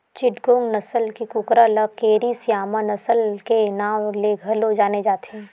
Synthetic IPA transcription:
t͡ʃɪʈɡõŋɡnɐsəlkikʊkɾaləkeːɾisijaːmanɐsəlkenaːwleɡʱəlod͡ʒaːned͡ʒaːt̪ʰẽː

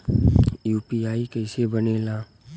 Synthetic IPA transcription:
juːpiaːikəɪsebəneːlãː

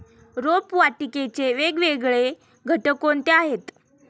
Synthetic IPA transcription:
ɾopʋaʈiket͡ɕeʋeɡʋeɡɭe | ɡʱəʈəkont̪eaɦet̪

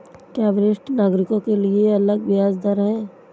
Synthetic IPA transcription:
kɛːʋɾɪsʈnaːɡɾɪkõkelieɐləɡʋɪjaːzd̪əɾɦɛ̃ː

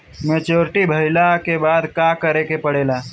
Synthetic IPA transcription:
meːt͡ʃoːɾʈibʱəɪlakebaːd̪kakəɾekepəɽeːlaː

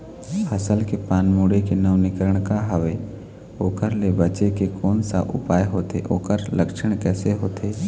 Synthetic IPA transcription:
ɐsəlkepaːnmuːɽekenəʋnɪkəɾəɽ̃kaɦəʋe | oːkəɾlebət͡ʃekekoːnsa̰ʔʊ̰paːjɦoːt̪eʔoːkəɾləkʃəɳ̃kɛːseɦoːt̪ʰeː

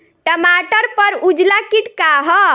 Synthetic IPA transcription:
ʈəmaʈəɾpəɾud͡ʒlakiʈkaɦɔ

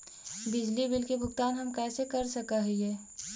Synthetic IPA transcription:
bɪd͡ʒlibɪlkebʱʊɡt̪aːnɦɐmkɛːsekɐɾsɐkaɦiɛː

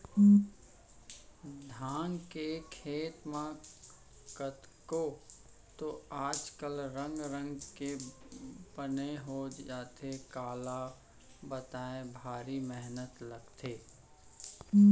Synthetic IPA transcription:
d̪ʱaːŋkekʰeːt̪mã | kət̪ | ko | t̪oaːd͡ʒkəlɾə̃ŋɡɾə̃ŋɡke | bəneɦoaːt̪ekaːla | bət̪aːẽbʱaːɾimɛɦnət̪ləɡt̪ʰeː

